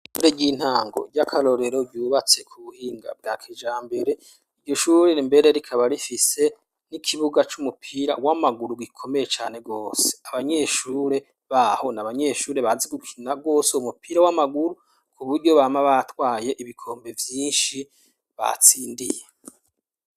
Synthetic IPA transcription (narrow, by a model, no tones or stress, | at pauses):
ɡuɾeɟiːn̥haːŋɡo̞̰ɟakʰaɾo̞ɾe̞ɾo̞ɟuːβat͡se̞kʰuβuhiːŋɡa̰b̚ɡaːkʰed͡ʒaːmbe̞ɾe̞ | iɾɟo̞ʃuɾeimbe̞ɾe̞ɾikʰaβaɾifise̞ | nikʰiβuɡat͡ʃumupʰiɾa̰wamaɡuɾuɡikʰo̞me̞jet͡ʃaːne̞ɡo̞ːse̥aβaɲe̞ʃuːɾe̞ | βaho̞naβaɲe̞ʃuːɾe̞βazeɡukʰinaɡo̞ːseumupʰiɾawamaɡuɾu | kʰuβuɾɟo̞βaːmaβatwaːje̞ʔiβikʰo̞ːmbe̞vjiːnʃi | βa̰t͡siːndḭje